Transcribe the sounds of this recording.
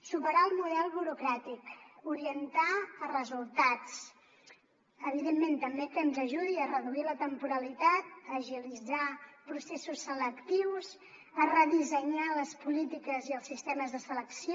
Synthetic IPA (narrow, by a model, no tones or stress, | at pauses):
supəɾaəlˠmuðɛlˠβuɾukɾat̪ikuɾiənt̪aərəzulˠt̪at͡s | əβiðemːent̪əmbekəːnzəʒuðiərəðuilət̪əmpuɾəlit̪at̪̚əːʒilid͡zapɾusesusːələkt̪iwz | ərəðizəɲaləspulit̪ikəziəlˠsist̪eməzðəsələksi